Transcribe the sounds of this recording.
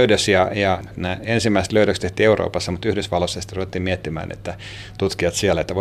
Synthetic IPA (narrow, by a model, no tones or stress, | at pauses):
ydøsjɑjɑnæːensimːæise̥t̪løydøkst̪eht̪iːeuro̰ːpɑsːɑmut̪yhdysʋɑlːosːɑsi̥t̪ːæruʋet̪ːiːmmiet̪ːimæ̰ːnḛt̪ːæ | t̪ut̪kiɑt̪siælːæet̪ːæʋo